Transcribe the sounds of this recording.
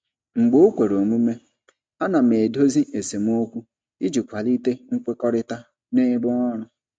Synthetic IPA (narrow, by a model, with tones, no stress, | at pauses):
ŋ͡m̩˨ɡ͡bo˦kʷe˨ɾo˨mu˦me˦ | a˦na˨m˨e˨do˦zi˦e˨se˨m˦o˦kʷu˦ | i˦d͡ʒi˨kʷa˨li˦te˦ŋ̩˦kʷe˦kɔ˦ɾɪ˦ta˦ | ne˦bʊ˦ŋɔ˦ɾʊ˨